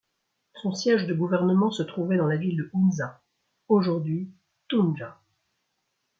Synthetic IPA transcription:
sɔ̃sjɛʒd̪əɡuvɛʁnəmɑ̃sət̪χuvɛd̪ɑ̃lavild̪əunza | oʒuʁd̪ɥi | t̪unʒa

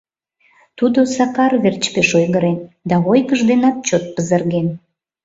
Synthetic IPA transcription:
t̪ud̪osɑkɑrβert͡ɕpeʃojɣəɾend̪ɑojkəʒd̪enɑt̪̚t͡ɕot̪̚pəzə̆rɣen

